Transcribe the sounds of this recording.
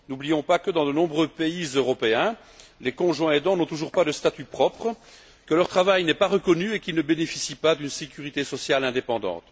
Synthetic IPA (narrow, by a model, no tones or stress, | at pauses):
nublijɔ̃pakəd̪ɑ̃d̪ənɔ̃bʁøpeizøʁɔpeɛ̃ | lekɔ̃ʒwɛ̃ed̪ɑ̃nɔ̃t̪uʒuʁpad̪əst̪at̪ypχɔpχ | kəlœʁt̪χavajnɛpaʁəkɔnyekilnəbenefisipad̪ynsekʲyʁit̪esɔsjalɛ̃d̪epɑ̃d̪ɑ̰̃t̪